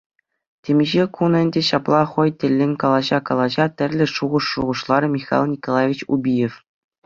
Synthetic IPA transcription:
tʲemʲiʑekunɘ̆nʲdʲeɕɑplˠɑχɤ̆jtʲɘ̆lʲːenʲkɑlˠɑʑɑkɑlˠɑʑɑt̪ʲɘ̆rʲlʲɘ̆ʂuʁɤ̆ʂːuʁɤ̆ʂlˠɑrmʲixɑ̰lˠnʲikolˠɑvʲit͡ɕṵbʲijef

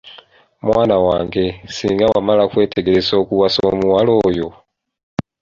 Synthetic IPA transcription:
mwaːnawaːŋɡe̞siːŋɡawa̰malakwe̞ːtʰe̞ɡe̞ɾezo̞ːkuwaso̰ːmuwalo̞ːjo̞

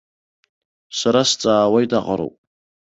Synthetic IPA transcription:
saɾast͡sʼaːwaidaqʼaɾo̰pʼ

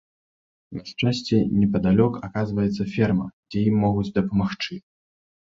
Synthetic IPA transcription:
mʲaʂt͡ʂasʲt͡sʲɛnʲɛpɐd̪alʲɔkakazvɐjɛt̪sːɐfʲɛrmɐ̰d͡zʲɛjimːɔɣut͡sʲd̪ɐpɐmaxt͡ʂɨ

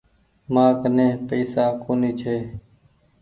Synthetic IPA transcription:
mãːkənẽːpəːsaːkoːniːt͡ʃʰeː

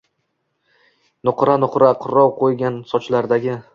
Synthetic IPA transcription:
nʊqɾanʊqɾaqʰʊɾːɒwqʰojɡʲansɒt͡ʃlaɾd̪aɡʲɪ

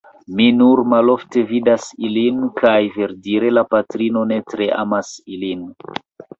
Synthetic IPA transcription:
minuɾmalo̞fte̞vidasilinkʰajve̞ɾdiɾe̞lapatɾino̞ne̞tɾe̞ʔa̰masilin

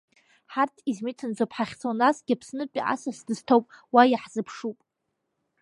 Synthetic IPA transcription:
ħartʰizmitʰɨnd͡zopʰħaχʲt͡sʰonasɡʲapʰsnɨt͡pʲʼiʔa̰sasdɨztʰowpʼwajaħzɨpʰʂupʼ

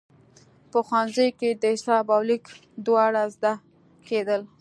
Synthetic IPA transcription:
pəxwɑnzəjked̪əʃɑbɑwlik | d̪wɑɽazd̪a | ked̪əl

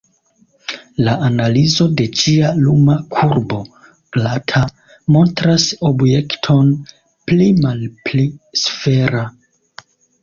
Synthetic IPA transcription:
laʔanalizo̞de̞t͡ʃialumakʰuɾbo̞ | ɡ̥latʰa | mo̞ntɾaso̞bje̞ktʰo̞n | plimalplisfe̞ɾa

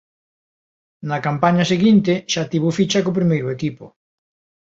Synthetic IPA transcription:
nakampaɲaseɣint̪eʃat̪iβufit͡ʃakop̬ɾimejɾʊekipo̰

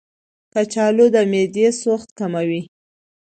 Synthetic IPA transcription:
kat͡ʃɑlod̪əmed̪esoxt̪kamawi

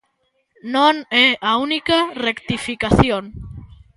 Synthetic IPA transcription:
nõneaunikarekt̪ifikaθjoŋ

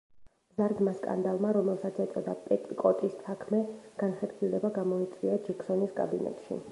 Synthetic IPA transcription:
mzaɾd̪maskʼa̰nd̪alˠmaɾɔmɛlˠsat̪sʰɛt̪sʼɔd̪apʼɛt̪ʼikʼɔt̪ʼisːakʰmɛɡ̥anχɛɾɡilɛbaɡamɔit̪sʼwiad͡ʒɛkʰsɔniskʼa̰binɛ̰t̪ʼʃḭ

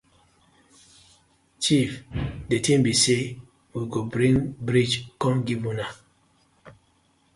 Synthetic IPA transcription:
t͡ʃifdetĩmbise | wiɡobɾĩŋbɾid͡ʒkɔ̃nɡivũna

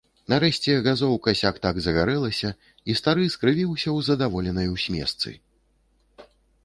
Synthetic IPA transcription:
nɐɾɛɕʲt͡sʲɛɣazɔwkɐsʲakt̪aɡzɐɣaɾɛlˠɐsʲɐ | ist̪aɾɨskɾɨvʲiwsʲɐwzɐd̪avɔlʲɛnɐjwsʲmʲɛ̰st̪sɨ̰

